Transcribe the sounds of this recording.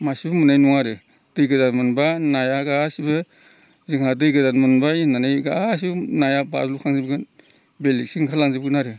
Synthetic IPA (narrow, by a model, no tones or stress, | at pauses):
masibɯmunajnuŋaɾɯ | d̥ɯjɡɯdanmɯnbanajaɡaːsibɯ | zɯŋhadɯjɡɯdanmɯnbajnanajɡaas̬ibnajaba̰zlukʰaŋzibɡɯn | belik̚siŋkʰalaŋzibɡɯnaɾɯ